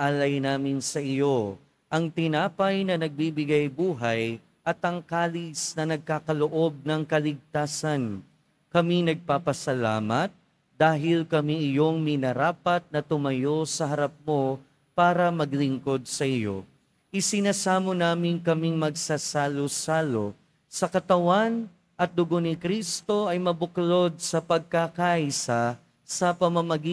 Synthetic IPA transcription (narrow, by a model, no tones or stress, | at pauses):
ʔalɐjnaːmɪnsɐʔɪjo̞ | ʔɐŋt̪ɪnaːpɐjnɐnɐɡ̚bibɪɡajbuːɦɐj | ʔɐt̪ɐŋkaːlisnɐnɐɡ̚kaːkɐloʔo̞b̚nɐŋkɐlɪɡ̚t̪aːsɐn | kɐminɐɡ̚papɐsɐla̰ːmɐt̪̚ | d̪̥aːɦɪlkɐmiʔɪjo̞ŋmɪnɐɾaːpɐt̪̚nɐt̪ʊmɐjo̞sɐɦɐɾɐp̚mo̞ | paːɾɐmɐɡlɪŋko̞d̪̚sɐʔɪjo̰ | ʔɪsɪnaːsaːmonaːmɪŋkɐmiŋmɐɡ̚sasaːlosaːlo | sɐkɐt̪ɐwan | ʔɐt̪̚d̪ʊɡonɪkɾist̪o̞ʔɐjmɐbʊklo̞d̪̚sɐpɐɡ̚kakaʔisa | sɐpɐmɐmɐɡi